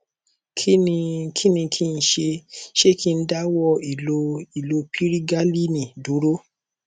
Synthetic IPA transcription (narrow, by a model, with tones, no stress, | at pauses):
kʰi˦nĩ˧kʰi˦nĩ˧kʰi˦˧n̩˧˦ʃe˧ʃe˦ki˦˧n̩˦da˦wɔ˦i˨lo˧i˨lo˧pʰi˦ɾi˦ɡa˦li˦nĩ˨du˨˦ɾo˦